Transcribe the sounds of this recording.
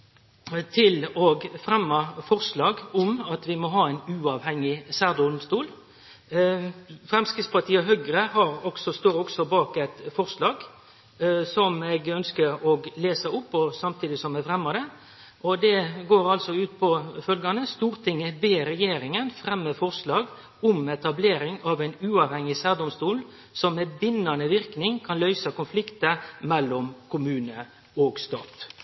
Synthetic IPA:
t̪ʰɪlɔɡfɾɛmːɑfɔɾʂlɑːɡʊmɑt̪ʋɪmɔɦɑːæɪnʉːɑːʋhɛŋːɪsæʁd̪ʊd̪ʊmst̪uːl | fɾɛmskɾɪspʰɑt̪ʰiːɑɦœɡɾəhɑɾɔɡsɔst̪oːɾɔɡsɔbɑːkæɪt̪fɔʁslɑːɡ | sɔmɛɡœnskəɾɔɡleːsəʊpːɔsɑmt̪ʰiːd̪ɪsɔmːɛfʁɛmːɑd̪ɛ | ʔɔd̪ɛɡoːɾɑlsɔʉːt̪pʰɔfœlɡɑnəst̪uːɾt̪ʰɪŋːəbeːɾɛjeːɾɪŋənfɾɛmːəfɔɾʂlɑːɡ | ɔmɛt̪ɑbleːɾɪŋɑʋæɪnʉːɑʋhɛŋɪsæʁd̪ʊmst̪uːl | sɔmːɛbɪnːɑnəʋɪɾknɪŋkʰɑnlœʏsɑkʊnflɪkt̪əmɛlːɔmkʰʊmʉːnə | ɔɡst̪ɑ̰ːt̪

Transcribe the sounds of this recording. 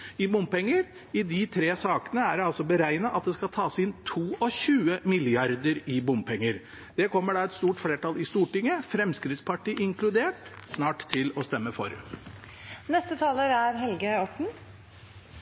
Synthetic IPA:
ɪbʊmpɛŋːəɾ | ɪd̪ɪt̪ʰɾeːsɑːkənəæɖɑlsɔbəɾæɪnɑʔɑt̪̚d̪ɛskɑlt̪ʰɑːsɪnːt̪ʰuːʔɔɕʉːəmɪlɪɑɾd̪əɾɪbʊmpʰɛŋːəɾ | d̪̥ɛkʰɔmːəɖɑɛt̪st̪uːʈfleːʈɑlɪst̪uːʈɪŋːəfɾɛmskɾɪt̪spʰɑʈiːʔɪŋklʉd̪eːʈsnɑːʈt̪ʰːɪlɔst̪ɛmːəfɔ̰ɾ | nɛst̪ət̪ʰɑːləɾæɾɦɛlɡəɔʈɳ̩

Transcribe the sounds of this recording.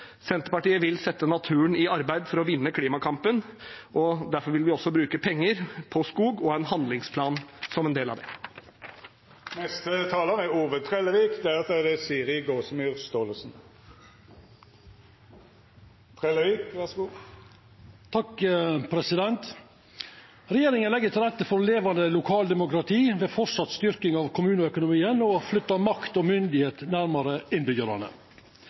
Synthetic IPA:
sɛnt̪əɾpɑʈiːəʋɪlsɛt̪ːənɑt̪ʰʉːəɳɪɑɾbæɪd̪fɔɾɔʋɪnːəkʰliːmɑkʰɑmpənɔd̪æɾfɔɾʋɪlʋɪɔsːɔbɾʉːkəpʰɛŋːəɾpʰɔskuːɡɔæɪnɦɑnd̪lɪŋspʰlɑːnsɔmɛnd̪eːlɑ̰ʋd̪ɛ | nɛst̪ət̪ʰɑːləʁɛuːʋət̪ʰʁɛləʋiːkd̪ɛæɾʁɑt̪ɛd̪ɛsiːʁɪɡoːsmyːʁst̪oːləsn̩ | t̪ʰɾɛləʋiːkʋæsɡuː | t̪ʰɑkpʰɾɛsɪd̪ɛnt̪ | ɾɛjeːɾɪŋənlɛɡːət̪ʰɪlɾɛt̪ːəfɔɾleːʋɑnd̪əlʊkʰɑːld̪ɛmʊkɾɑt̪ʰiːʋeːfɔsɑt̪st̪ʏɾkɪŋɑʋkʰʊmʉːnəœkʊnʊmiːənɔflʏt̪ːɑmɑkt̪ɔmʏnd̪ɪheːt̪næɾmɑɾəɪnbʏɡəɾɑ̰nə̰

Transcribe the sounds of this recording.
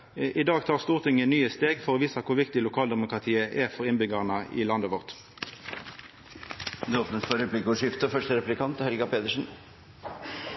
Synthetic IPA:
ʔɪd̪ɑːɡt̪ʰɑːʁst̪uːʁt̪ʰɪŋənyːəst̪eːɡfɔʁoːʋiːsɑkʰʊʁʋɪkt̪ɪlʊkʰɑːld̪ɛmʊkʁɑt̪ʰiːəʔɛfɔʁɪnbʏɡɑʁnəʔɪ̰lɑnd̪əʋʊʁt̪ | d̪ɛɔpnət̪fɔɾɛplɪkəʊʂɪft̪əfœʂʈəɾɛplɪkʰɑnt̪hɛlɡɑpʰeːd̪əʂn̩

